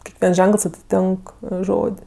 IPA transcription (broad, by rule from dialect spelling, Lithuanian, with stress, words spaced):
kʲɛkˈʋʲiɛns ˈʒʲɛŋkəlˠs ɐtʲɪˈtʲɪŋk ˈʒoːtʲ